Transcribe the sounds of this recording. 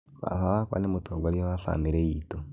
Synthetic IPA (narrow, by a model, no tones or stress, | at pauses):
βa̰faβakwa̰nemutʰoɡoɾioβafa̰miɾejito